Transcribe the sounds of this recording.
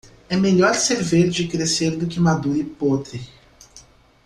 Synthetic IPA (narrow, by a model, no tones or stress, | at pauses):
ɛmeʎɔɾseɾveɾd͡ʒɪkɾeseɾd̪ʊkɪmad̪uɾɪpot̪ɾɪ